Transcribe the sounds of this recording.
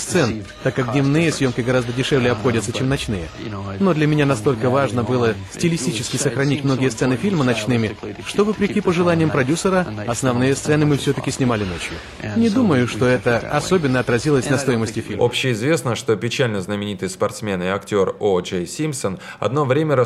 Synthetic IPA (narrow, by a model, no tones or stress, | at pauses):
st̪sɛn | t̪akːak̚dʲnʲɪvnɨjəsʲjo̞mkʲɪɡɐɾazd̪ədʲɪʂɛvlʲɪjəɐpxo̞dʲət̪sət͡ɕemnɐt͡ɕnɨjəno̞d̪lʲɐmʲɪnʲanɐst̪o̞lʲkəvaʐnəbɨlˠəsʲtʲɪlʲɪsʲtʲit͡ɕɪskʲɪsəxɾɐnʲitʲmno̞ɡʲɪjəst̪sɛnɨfʲilʲmənɐt͡ɕnɨmʲɪʂt̪o̞vəpɾʲɪkʲipəʐɨlˠanʲɪjəmpɾɐdʲusəɾəɐsnɐvnɨjəst̪sɛnɨmɨfsʲot̪əkʲɪsʲnʲɪmalʲɪnot͡ɕjʊ̰ | nʲɪd̪uməjʊʂt̪o̞ɛt̪əɐso̞bʲɪnːəɐt̪ɾɐzʲilˠəsʲnɐst̪o̞jɪməsʲtʲɪfʲimo̞̰pɕːɪɪzvʲe̞snəʂt̪o̞pʲɪt͡ɕalʲnəznəmʲɪnʲit̪ɨjspɐrt̪smʲenɪɐktʲo̞rod͡ʒejsʲimsən | ɐ̰d̪no̞vɾʲemʲəɾə